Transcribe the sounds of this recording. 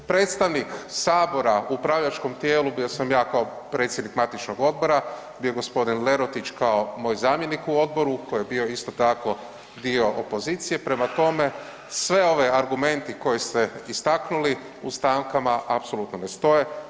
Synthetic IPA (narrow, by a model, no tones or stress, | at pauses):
pɾe̞ːt̪st̪aʋniksaːbo̞ɾaupɾaʋʎat͡ʃko̞mt̪je̞ːlubijo̞samjaːkao | pɾe̞t̪sjed̪nikmat̪it͡ʃno̞ɡo̞d̪̚bo̞ɾa | bijoɡo̞spo̞d̪inle̞ɾo̞t̪it͡ʃkao̞mo̞ːjzaːmje̞nikuo̞d̪̚bo̞ɾuko̞jebio̞ist̪o̞t̪ako̞ | d̪io̞ʔopo̞ziːt̪sije̞pɾe̞mat̪o̞me̞ | sʋe̞o̞ʋeaɾɡume̞nt̪iko̞jist̪eist̪aknuli | ust̪aːŋkamaʔapso̞lut̪nonest̪o̞je